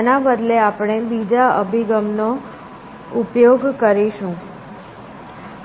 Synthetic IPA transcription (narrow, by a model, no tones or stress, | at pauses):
nabəd̪leapɽ̃ebid͡ʒaə̰bʱiɡəmno | upjoɡkəɾiʃũ